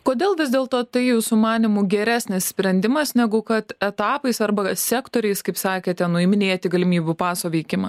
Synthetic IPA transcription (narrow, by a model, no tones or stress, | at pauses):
koːd̪ʲeːlˠʋʲɪzʲd̪ʲeːlˠt̪oːt̪ɐɪjuːsʊmɑːnʲɪmʊɡʲɛɾʲæːsʲnʲɪssʲpʲɾʲɛnʲd̪ʲɪmɐsnʲɛɡʊkɐt̪ɛt̪ɑːpɐɪsɐrbɐsʲæːkt̪oːɾʲɛɪskɐɪpsɑːkʲeːt̪ʲɛnʊɪmʲɪnʲeːt̪ʲɪɡɐlʲɪmʲiːbʲupɑːsoːʋʲɛɪkʲɪmɐ